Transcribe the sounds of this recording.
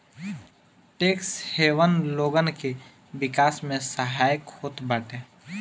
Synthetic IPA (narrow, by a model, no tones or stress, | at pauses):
ʈeːksheːʋənloːɡənke | ʋɪkaːsmẽsəɦaːjəkhoːt̪bəʈeː